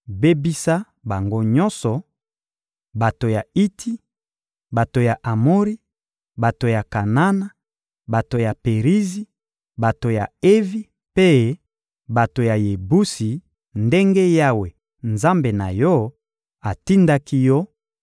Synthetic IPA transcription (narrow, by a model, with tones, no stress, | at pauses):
be˦bi˦sa˦ | ba˨ŋɡo˦ɲɔ˦nsɔ˨ | ba˨to˨ja˨i˦tʰi˦ | ba˨to˨ja˨ʔa˨mo˦ʁi˦ | ba˨to˨ja˨ka˨na˦na˦ | ba˨to˨ja˨pe˨ʁi˦zi˦ | ba˨to˨ja˨e˦vi˦ | pe˦ | ba˨to˨ja˨je˨bu˦si˨ | nde˦ŋɡe˦ja˦we˨ | nza˦mbe˨na˨jɔ˦ | a˨ti˦nda˦ki˦jɔ˦